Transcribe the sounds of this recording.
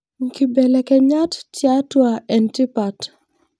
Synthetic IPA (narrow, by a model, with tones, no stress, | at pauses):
ŋki˨bɛ˨lɛ˨kɛ˨ɲa˦ttja˦twa˨ɛ˨nti˦pa˨t